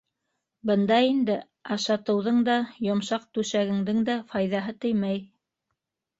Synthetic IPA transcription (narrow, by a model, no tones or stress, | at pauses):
bɤ̆nd̪ɑind̪ɘ | ɑʃɑt̪ɤ̆wðɤɴd̪ɑjŏmʃɑq̚t̪ʉʃæɡɘ̆ŋd̪ɘŋd̪æfɑjðɑɦɤt̪ɵ̆jmæj